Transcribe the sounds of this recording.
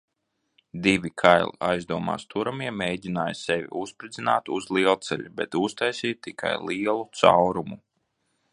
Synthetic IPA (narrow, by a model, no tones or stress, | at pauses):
d̪ivʲikʰajlˠḭajzd̪uɔma̰ːst̪uɾamiɛmeːjɟʲinaːjsɛvʲḭuspɾid̪zina̰ːt̪uzlˠiɛlˠt̪sɛ̰ʎʲubɛ̰t̪ust̪ajsiːt̪ːikʰa̰jliɛlˠut̪sa̰wɾumu